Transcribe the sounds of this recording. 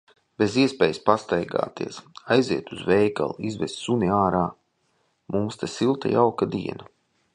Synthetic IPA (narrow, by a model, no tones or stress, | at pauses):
b̥eziɛspʲɛːjspast̪ajɡa̰ːt̪ḭɛsajziɛt̪uzvɛjka̰lˠizvɛst̪suniaːɾaː | mumst̪asilˠt̪a̰jawkad̪ḭɛna